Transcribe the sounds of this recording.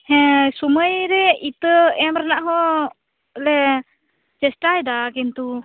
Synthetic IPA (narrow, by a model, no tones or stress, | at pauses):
hɛ̃suməjɾɛit̪əɛmɾanaʔɦɔ | lɛ | d͡ʒɛsʈajd̪akint̪u